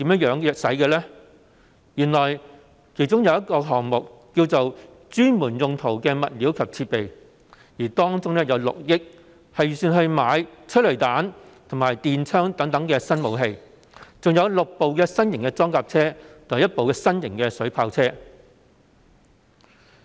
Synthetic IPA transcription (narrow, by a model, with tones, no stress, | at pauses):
t̪iː˨˥mjɐ˥jœː˨˧˥ŋjœː˨k̚sɐ˨˥jkɛː˧lɛː˥ | jyː˨˩nlɔː˨˩j | kʰe˨˩jt͡sʊ˥ŋjɐ˨˧wjɐ˥t̚kɔː˧ɦɔː˨˩ŋmʊ˨k̚kːiː˧wt͡so˨w | t͡ʃyː˥nmuː˨˩njʊ˨˧ŋt̪ʰo˨˩wkɛː˧mɐ˨t̚liː˨˥wkʰɐ˨p̚t͡sʰiː˧t̚pe˨j | jiː˨˩t̪ɔː˥ŋt͡sʊ˥ŋlɛː˥jɐ˨˧wlʊ̰˨k̚jɪ˥k̚ | hɐ˨jyː˨syː˨˧nɦɵ˧ɥmaː˨˧˥jt͡ʃʰɵ˥t̚lɵ˨˩t̪aː˨˥nt̪ʰŋmaː˨˩jt̪iː˨nt͡ʃʰœː˥ŋt̪ɐ˨˥ŋt̪ɐ˨˥ŋkɛː˧sɐ˥nmo˨˧wɦe˧j | t͡sʊ˨ŋjɐ˨˧wlʊ˨k̚po˨˧wkɛː˧sɐ˥njɪ˨˩ŋkɛː˧t͡sɔː˥ŋkaː˧p̚t͡sʰɛː˥t̪ʰʊ˨˩ɐ˨jɐ˥t̚po˨wkɛː˧sɐ˥njɪ˨˩ŋkɛ˧sɵ˨˥ɥpʰaː˧wt͡sʰɛː˥